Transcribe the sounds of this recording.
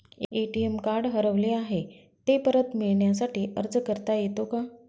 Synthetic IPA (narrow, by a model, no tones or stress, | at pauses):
eʈiemkaɾɽɦəɾəʋleaɦe | t̪epəɾət̪miɭɳjasaʈiːʔəɾd͡zkəɾt̪ajet̪oka